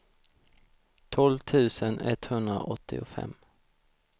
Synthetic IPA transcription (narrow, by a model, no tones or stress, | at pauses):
t̪ʰɔlvt̪ʰʉ̟ːsənɛt̪hɵnd̪ɾa̰ʔɔt̪ʰːɪʊfɛ̰mː